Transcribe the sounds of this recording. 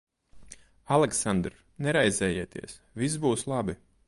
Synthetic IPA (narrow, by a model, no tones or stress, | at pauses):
alˠɛksand̪ɾ | nɛɾajzɛːjiːt̪iɛs | vis̬buːslˠabi